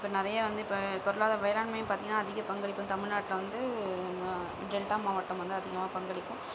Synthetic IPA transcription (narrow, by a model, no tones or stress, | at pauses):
ɪpːɐnɪɾɐjɐʋɐnd̪ɯɪpːɐkɔɾɐlaːðɐʋɐjɐɾaːɳmɐjʊ̃mpaːɾt̪ĩŋɡɐnaːðɪɣɐpɐŋɡɐɭɪkːʊ̃nt̪ɐmɪɻnaːʈːɪlɐʋɐnd̪ɯnɐ | ɖɛlʈaːmaːʋɐʈːɐmʋɐnd̪ɯɐðɪɣɐmaːpɐŋɡɐɭɪkːʊ̃